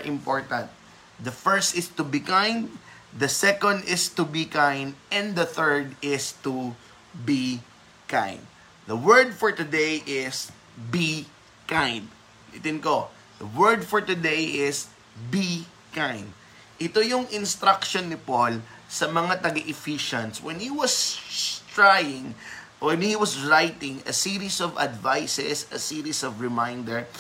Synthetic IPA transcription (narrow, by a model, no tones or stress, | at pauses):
ʔɪ̃mpoɹt̪ɐ̃nt̪̚ | d̪ɐfɛɹst̪ɪst̪ʊbikãjnd̪ | d̪ɐsɛkond̪ɪst̪ʊbikãjnd̪ɛ̃nd̪d̪ɐθɛɹd̪ɪst̪u | bi | kã̰jnd̪̚ | d̪ɐwɛɹd̪̚fɔɹt̪ʊd̪ejʔɪs | bi | kãjnd̪̚ | lit̪ɪnko | d̪ɐwɛɹd̪fɔɹt̪ʊd̪ejʔɪs | bi | kãjnd̪̚ | ʔɪt̪ojʊŋɪ̃nst̪ɾakʃonːɪpolsɐmɐŋat̪ɐɡɐʔɪfiʃɐ̃nswɛ̃nhiwɐst̪ɹajɪ̃ŋ | wɛnhiwɐsɹajt̪ɪ̃ŋɐ̰siːɾisɔvɐ̰d̪vajsɛ̰sɐsiːɾisɔvɹɪmajnd̪ɛɹ